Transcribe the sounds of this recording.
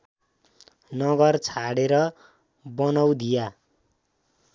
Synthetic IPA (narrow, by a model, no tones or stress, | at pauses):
nʌɡʌrt͡sʰaɽeɾʌ | bʌnʌwd̪ija